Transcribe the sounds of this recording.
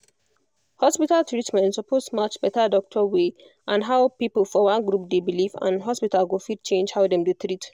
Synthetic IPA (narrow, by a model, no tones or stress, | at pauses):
hɔspitaltɹitmɛ̃ntsɔpʰosmat͡ʃbɛtadɔk̚tʰɔwe | ʔãnɦaʊpipəlfɔwãnɡɾup̚debilivã̰nɦɔspitalɡofid̚t͡ʃẽnd͡ʒhaʊdɛ̃mdut̪ɹit